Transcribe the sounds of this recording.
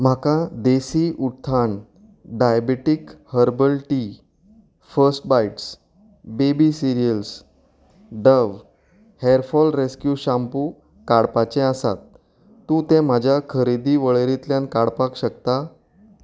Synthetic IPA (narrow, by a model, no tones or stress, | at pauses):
m̤akad̪esiʔut̪ʰːaɳ | ɖajabeʈikhəɾbəlʈi | fəɾsʈ̚bajʈs | bebisiɾijəls | ɖəʋ | heɾfɔlɾeskjuɕãmpuː | kaɽpat͡ɕẽasa̰t̪ː | ũt̪ẽm̤ad͡ʑʱjakʰəɾid̪iːʋəɭeɾit̪ljankaɽpakɕəkt̪a